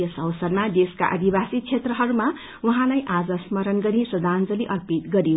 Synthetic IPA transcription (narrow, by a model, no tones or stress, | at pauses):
ʌsʌwsʌrmad̪eska̰ʔʌ̰d̪ʱibasit͡sʰet̪rʌɦʌɾuma | uɦãlajʔad͡zʌsmʌɾʌnɡʌɾisʌd̪ʱand͡zʌliʔʌrpit̪ɡʌɾijo